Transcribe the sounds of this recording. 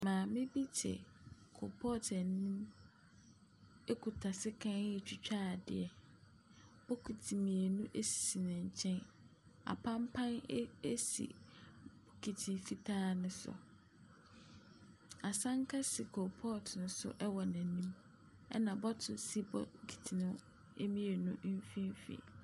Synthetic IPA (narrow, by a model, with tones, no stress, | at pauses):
mãː˨mɪ̃˦bi˦t͡ɕʰɛ̰˨kʰo̰˨pʰɔ˦˨tʰɛ˨nː˦ĩ˦m | e˦kʰu˨tʰa˨sɪ˦kʰã˦n˦ɛ˦˨t͡ɕʰᶣi˨t͡ɕᶣaː˦˨dɪ̰˨ɛ˨ | ɔ˦kʰu˨tʰi˨mĩ˨æ˨nũ˦ʔe˦si̥˨si˨nɪ̃˨ɲ̩˨t͡ɕʰɛ̃˦n | a̰˨pʰã˦m˦pʰã˦n˦e˦sḭ˨bɔ˨kʰi˨tʰĩ˨˦fi˦tʰaː˦nʊ̃˦sʊ̰˨ | a˨sã˦ŋ˦kʰa˦si˨kʰɔ˨pʰɔ˦˨tʰnʊ̃˦sʊ̰˦ʔɛ˦wɔ˨næ̃˨nĩ˦m | ɛ̰˦nã˨bɔ˦tʰʊ˨si˦bɔ̰˦kʰi̥˨tʰi˨nʊ̃˦ | e˦mĩ˦e˨nũ˦ʔfĩ˦n˦fḭ˨